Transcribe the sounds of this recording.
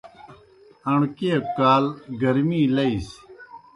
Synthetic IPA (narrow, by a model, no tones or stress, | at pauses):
ɐɳkekaːlɡɐɾmiːlɐis